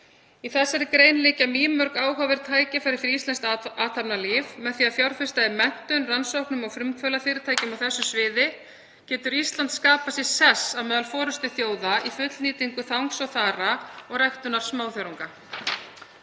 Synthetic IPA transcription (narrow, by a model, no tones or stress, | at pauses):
iθɛsːɛɾɪkɾeːjnlɪːcamiːmœɾkaːwɦaːvɪɾ̥t̪ʰaːjcɪfaɾɪɾfɪɾist̪ɛnst̪aːt̪ʰapnalivmɛðθiːaðfjawɾ̥fɪ̥st̪aɪmɛn̥t̪œnransowhknʏmaɣfɾʏmkʰvœlafɪːɾɪt̪ʰaːjcɪmawθɛsːʏsvɪːðɪ | cɛːt̪ʏɾist̪lant̪skaːpasjɛɾsɛsaðmɛːðalfɔːɾʏst̪ɪθjoːwðaifʏt̪lniːt̪iŋkʏθawŋksɔwθaːɾaɔɣrɛjxt̪ʏnaɾ̥smaːwθjaɾuŋka